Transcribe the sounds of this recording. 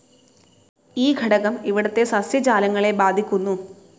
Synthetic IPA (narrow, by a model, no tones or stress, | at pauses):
iːɡʱɐɽɐɣɐmiʋiɽɐt̪ːe̞sɐsjɐd͡ʑaːlɐŋːɐɭe̞baːd̪ʱikʲːunːu